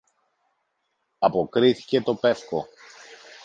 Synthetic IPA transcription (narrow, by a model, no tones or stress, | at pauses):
ɐpo̞kɾiθi̥ce̞t̪o̞pe̞fko̞